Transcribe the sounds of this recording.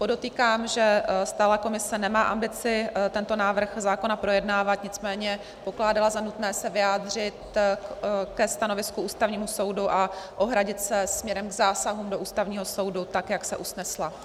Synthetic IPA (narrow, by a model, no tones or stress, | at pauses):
po̞do̞t̪iːkaːmʒɛst̪aːlako̞mɪsɛnɛmaːʔambɪt͡sɪt̪ɛnt̪o̞naːvr̩xzaːko̞napɾo̞jɛdnaːvat̪ɲɪt͡smɛːɲɛ | po̞klaːdalazanut̪nɛːsɛvɪjaːd̪r̝ɪt̪ | kɛst̪anovɪskuʔuːst̪avɲiːmuso̞wduʔaʔo̞ɦɾaɟɪt̪sɛsmɲɛɾɛmɡzaːsaɦuːmdo̞ʔuːst̪avɲiːɦo̞so̞wdut̪akjaksɛʔusnɛsla